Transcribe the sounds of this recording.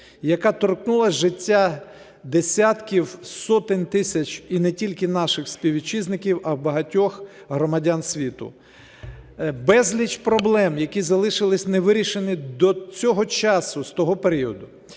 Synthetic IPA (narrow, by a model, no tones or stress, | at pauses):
jɐkat̪ɔrknulˠɐʒɪtʲːa | d̪esʲat̪kʲiwsɔt̪ɪnʲt̪ɪsʲɐt͡ʃʲinɛtʲilʲkɪnɑʃɪxspʲiwʲit͡ʃiznɪkʲiwɐwbɐɦɐtʲɔx | ɦɾɔmɐdʲansʲʋʲit̪ʊ̰ | bɛzʲlʲit͡ʃpɾɔblˠɛmjɐkʲizɐlˠɪʃɪlˠɪsʲnɛʋɪɾʲiʃenʲid̪ɔt͡sʲɔɦɔt͡ʃɑsʊst̪ɔɦɔpeɾʲiɔd̪ʊ